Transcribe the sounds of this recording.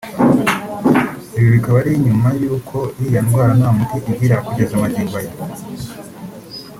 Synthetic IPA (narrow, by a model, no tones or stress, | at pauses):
iβjoβikaβaɾiɲumajuːkʰo̞ijanɡwaːɾanaamutiʔiɟiɾaakuɟezamaɟiːŋɡwaje